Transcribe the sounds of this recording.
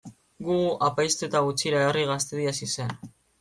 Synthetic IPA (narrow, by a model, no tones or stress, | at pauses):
ɡuapajst̪e̞t̪aɣut͡ʃiɾaoriɣ̞ast̪e̞ðiasise̞n